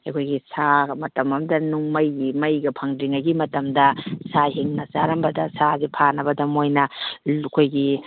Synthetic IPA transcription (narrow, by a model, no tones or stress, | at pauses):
akʰojɡisamɐtɐmɐmdɐnuŋmɐjimɐjɡɐpʰɐŋdiŋaɡimɐtɐmdɐsaɦiŋnɐzaɾɐmbɐdɐsazipʰanɐbɐdɐmojnɐkʰojɡi